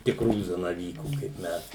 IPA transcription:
tʲɪkˈruːjuː zɐnɐˈʋʲiːkuː kɐɪp ˈmʲɛs

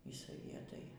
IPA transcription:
iː sɐˈʋʲiɛtɐɪ

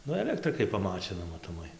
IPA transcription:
ˈnʊ ɛˈlʲæːktʲrʲɪkɐɪ pɐˈmɑːt͡ʃʲɪnɐ mɐtoːˈmɐɪ

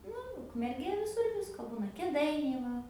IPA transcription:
ˈnʊ ʊkmʲɛrʲˈɡʲeː ʋʲɪˈsʊr ˈʋʲɪskoː ˈbuːnɐ kʲeːˈdɐɪnʲɛɪ ˈʋɐ

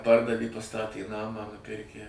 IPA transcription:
ˈpɐrdɐʋʲeː pɐˈstɑːtʲeː ˈnɑːmɑː nʊˈpʲɪrʲkʲæː

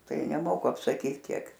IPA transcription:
ˈtɐɪ nʲɛˈmoːkʊ ɐpsɐˈkʲiːt ˈkʲiɛk

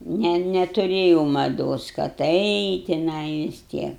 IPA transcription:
ˈnʲɛ nʲɛtʊˈrʲeːjɛʊ mɐˈdoːs kɐt ɛɪtʲ tʲɪˈnɐɪ ʋʲɪs ˈtʲiɛk

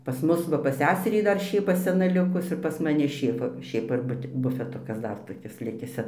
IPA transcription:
pɐs ˈmʊs ˈʋɐ pɐs ˈsʲæːsʲɛrʲiː ˈdɐr ˈʃʲeːpɐ sʲɛˈnɐ ˈlʲɪkʊs ɪr pɐs mɐˈnʲɪ ˈʃʲeːfɐ ˈʃʲeːpɐ bʊfʲɛˈtʊkɐs ˈdɐr toːˈkʲɪs ˈlʲɪkʲɪs ˈsʲɛ

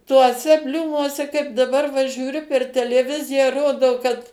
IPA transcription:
tuɔˈsʲɛ ˈbʲlʲuːmuɔsʲɛ kɐɪp dɐˈbɐr ʋɐ ʒʲuːˈrʲʊ pʲɛr tʲɛlʲɛˈʋʲɪzʲɪjæː ˈroːdoː kɐt

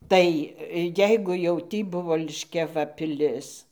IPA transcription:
ˈtɐɪ ˈjɛɪɡʊ jɛʊ ˈtʲiː ˈbʊʋoː lʲɪʃʲkʲɛˈʋɐ pʲɪˈlʲɪs

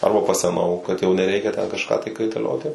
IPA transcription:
ˈɐrbɐ pɐsʲɛˈnɐʊ kɐt jɛʊ nʲɛˈrʲɛɪkʲɛ tʲɛn kɐʃˈkɑː tɐɪ kɐɪtɐˈlʲoːtʲɪ

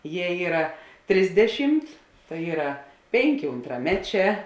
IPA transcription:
ˈjɛ ˈiːrɐ ˈtʲrʲɪzʲdʲɛˌʃʲiːmt tɐɪ ˈiːrɐ ˈpʲeːŋʲˌkʲeː ʊntrɐˈmʲæːˌt͡ʃʲɛː

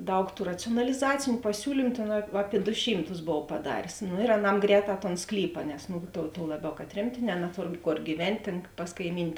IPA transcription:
ˈdɐʊk ˈtuː rɐt͡sʲɪjoːnɐlʲɪˈzɑːt͡sʲɪnʲʊ pɐˈsʲuːlʲiːmʊ tʲeːn ɐpʲiɛ doː ˈʃʲiːmˌtʊs ˈboːw pɐˈdɑːrʲeːs noː ɪr ɐˈnɐm ˈɡrʲɛːˌtɑː toːn ˈsklʲiːpɐ nʲɛs nʊ tuɔ tuɔ ˈlˠɑːˌbʲɛʊ kɐt ˈtʲrʲɛmʲtʲeːˌnʲɛː nɐˈtoːr ˈkoːr ɡʲiːˈʋʲɛnʲtʲ tʲeːn pɐs kɐɪˈmʲiːnʲ

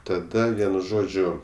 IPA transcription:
tɐˈdɐ ˈʋʲiɛnʊ ˈʒoːd͡ʒʲʊ

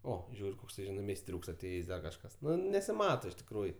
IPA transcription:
oː ˈʒʲuːrʲɪ ˈkoːks ˈʒʲɪnɐɪ mʲɛɪsʲˈtʲrʲuːks ɐˈtʲeːjeːsʲ ˈdɐr kɐʃˈkɐs ˈnʊ nʲɛsʲɪˈmɑːtoː ɪʃ tʲɪkˈruːjʊ

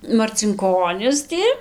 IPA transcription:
mɐrʲt͡sʲɪŋˈkoːnʲɪs tʲɪ

